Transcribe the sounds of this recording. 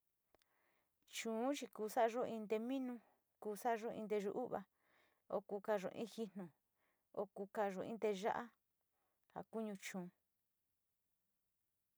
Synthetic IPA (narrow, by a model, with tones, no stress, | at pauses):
t͡ʃũː˨˦t͡ʃi˧kuː˧sa˦˧ʒo˦ʔĩ˧nd̪e˧mĩ˦nũ˧ | kuː˧sa˦˧ʒo˦ʔḭ̃˧nd̪e˧ʒṵ˧ʔu˦βa̰˧ | o˧kuː˧ka˧ʐo̰˨ʔḭ̃˦xi˧nõ˨ | o˧ku˧ka˧ʐo˧ḭ̃˧˦nd̪e˧ʒa̰˦ʔa˦ | ha̰˨ku˦ɲũ˧t͡ʃũː˨˧